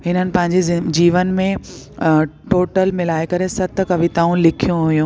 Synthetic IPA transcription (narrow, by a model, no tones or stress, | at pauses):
ɦɪnənɪ̆pɐ̃ɦɪ̃ɲd͡ʑed͡ʑiːʋənmẽ | ʈoːʈəlmɪlaːekɐɾesɐt̪ʰəkɐʋʱit̪aːũlɪkʰijũɦʊjũː